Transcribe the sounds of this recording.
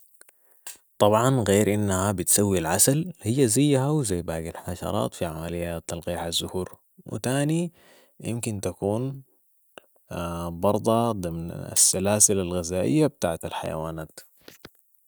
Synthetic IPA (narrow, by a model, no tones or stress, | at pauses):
t̪ˤɑbʕɑnɣeːɾʔinːahabɪt̪sawːilʕasalhijːazajːaɦawzajːbaːɡalħɑʃɑ̰ɾˤɑ̰ːt̪fiʕamalɪjːat̪ːɑlɣiːħazːʊhuːɾ | wḭt̪aːni | jɪ̰mkint̪akuːn | bɑɾˤd̪ˤɑd̪ˤɨmna̰sːalaːsɪlalɣɪzaːʔɪ̰jːabɪt̪a̰ːʕat̪alħa̰ja̰wa̰ːnaːt̪